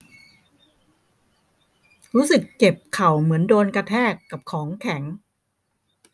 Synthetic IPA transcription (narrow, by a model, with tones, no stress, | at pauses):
ɾuː˦˥sɯ˨˩kːe˨˩p̚kʰa˨˩wmɯ˩˦əndoː˧nka˧t̪ʰɛː˥˩kːa˨˩p̚kʰɔː˩˦ŋkʰɛ˩˦ŋ